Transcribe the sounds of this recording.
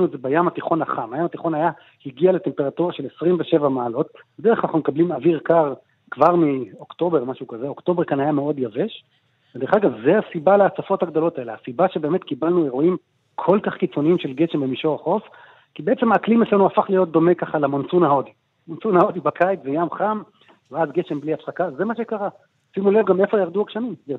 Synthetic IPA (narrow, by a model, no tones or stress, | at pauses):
nuezebajamat̪iχo̞naχamajamat̪iχo̞naja | hiɡiale̞te̞mpe̞ʁatuʁaʃe̞lesʁimveʃe̞vamaːlo̞t̪bede̞eχlnaχnumekablimaviʁkaʁ | kvaʁmio̞kt̪o̞be̞ʁmaʃukazeo̞kt̪o̞be̞ʁkanajameo̞d̪jave̞ʃ | ved̪e̞ʁeχaɡavzeasibaleat͡safo̞thaɡd̪o̞lo̞taelehasibaʃebe̞ːme̞t̪kibalnue̞ʁoim | kʰo̞lkaχkit͡so̞niimʃe̞lɡe̞ʃe̞mbemiʃo̞ʁaχo̞f | kibeet͡semaːklimet͡slanuafaχlijo̞t̚d̪o̞me̞kaχalamont͡sunaod̪i | mont͡sunhao̞d̪ibakajt͡szejamχam | veazɡeʃembliatχakazemaʃekaʁa | simulevɡamefajaʁd̪uakʃanimja